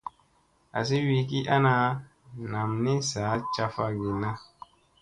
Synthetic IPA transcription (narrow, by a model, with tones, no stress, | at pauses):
a̰˨s̬i˦wi˨ki˦ʔa˦na˨˦ | na˨mni˦saː˨˦t͡ʃa˦fa˧ɡi˨na˦